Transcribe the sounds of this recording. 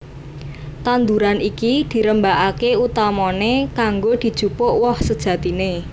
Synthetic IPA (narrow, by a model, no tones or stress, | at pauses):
t̪and̪uɾanikid̪̥i̤ɾəmbaʔakeut̪amɔnekaŋɡod̪̥i̤d̥ʒ̥ṳpʊʔwɔhsəd̥ʒ̥ä̤t̪ine